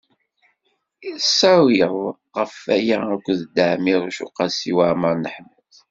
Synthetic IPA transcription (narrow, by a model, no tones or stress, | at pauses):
isæwiðˤ | ʁəfæjæækʷːðd̪aʕmiðˤuʃṵqɑsiwaʕməɾˤnəħm | θ